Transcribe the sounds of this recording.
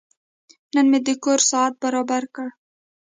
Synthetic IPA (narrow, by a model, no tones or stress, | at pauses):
nənmed̪əkoɾsɑat̪̚baɾɑbaɾkə